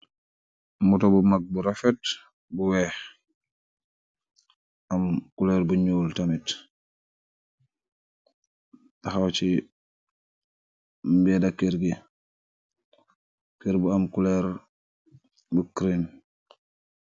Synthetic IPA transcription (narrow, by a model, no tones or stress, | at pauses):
mutɔbumaɡ̚buɾafɛt | buwɛx | ʔamkulɛɾbuɲuːltamit | taxawt͡ʃi | mbɛdakiɾɡi | kiɾbuamkulɛɾ | bukɾin